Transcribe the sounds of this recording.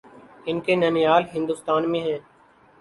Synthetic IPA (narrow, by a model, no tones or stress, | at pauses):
ɪnkeːnəːnijaːlɦɪ̃nd̪ʊːst̪aːnmẽːɦɛ̃ː